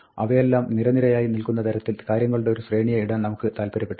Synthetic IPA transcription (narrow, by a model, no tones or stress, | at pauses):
ɐ̰ʋɐjelːaːmniɾɐniɾɐjaːjinilkunːɐt̪ʰɐɾɐt̪ːilkaːɾjɐŋːɐɭuɽe̞oɾuɕreːɳijɐiɽɐnnɐmukːɨt̪aːlpɐɾɐpːeʈː